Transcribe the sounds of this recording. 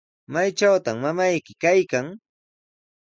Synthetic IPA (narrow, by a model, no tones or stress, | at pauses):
majt͡ʃawt̪amːamajkɪkajkaŋ